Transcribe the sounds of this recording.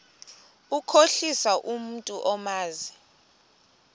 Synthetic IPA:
ukʰoɬisaʔum̩tʼuʔɔmaːzi

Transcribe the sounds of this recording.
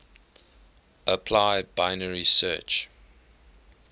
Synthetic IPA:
ʔəpʰlaɪbaɪnəɹisɜ̰ːt͡ʃ

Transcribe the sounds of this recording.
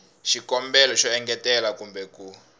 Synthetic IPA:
ʃikɔmbɛlɔʃɔɛŋɡɛtɛlakumbɛku

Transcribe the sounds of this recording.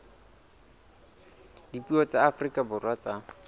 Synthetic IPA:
dipʼiwɔt͡sʼaːfrikʼabʊrwat͡sa

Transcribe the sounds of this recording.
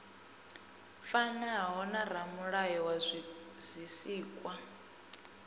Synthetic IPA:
fanaɦɦɔnar̤amuɺajɔwa | zʷisiːkʼwa

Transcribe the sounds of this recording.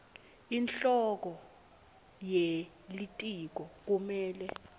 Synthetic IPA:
inɬɔk̬ɔ | je | litʼik̬ɔk̬umɛːlɛ

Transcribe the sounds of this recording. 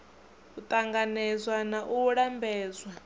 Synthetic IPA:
ut̪ʼaŋɡanɛzwanaʔuɺambɛːzwa

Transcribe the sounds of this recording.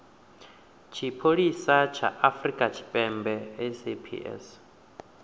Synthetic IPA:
t͡ʃʰipʰoɺisat͡ʃʰa̰ʔafɾikʼat͡ʃʰi̥pʼɛmbɛɛsipʰḭʔɛ̰s

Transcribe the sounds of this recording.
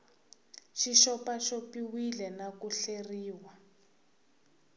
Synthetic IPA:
ʃiʃɔpaʃopiwilɛnakuɬeriːwa

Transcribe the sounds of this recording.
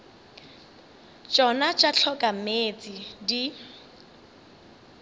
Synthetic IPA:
t͡ʃʼɔnat͡ʃʼat͡ɬʰɔkʼameːt͡sʼidi

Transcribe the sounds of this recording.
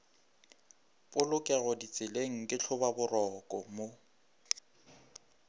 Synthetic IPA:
pʼʊlʊkʼɛɣʊdit͡sʼɪleŋ̩kʼɪt͡ɬʰʊbabʊrɔkʼɔmo

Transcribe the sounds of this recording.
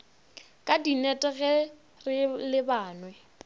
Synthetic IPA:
kʼadinɛtʼɛɣɛ | rɪlɪbaːnwɛ

